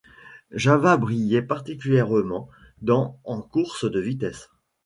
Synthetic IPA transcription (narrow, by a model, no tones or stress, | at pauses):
ʒavabʁijɛpaʁt̪ikʲyljɛʁmɑ̃ | d̪ɑ̃ɑ̃kuʁsəd̪əvit̪ɛs